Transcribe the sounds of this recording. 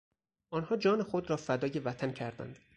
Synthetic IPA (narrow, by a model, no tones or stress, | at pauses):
ʔɒːnhɒːd͡ʒɒːnexod̪ɾɒːfæd̪ɒːje̞væt̪ʰæncʰæɾd̪æ̰nd̪̥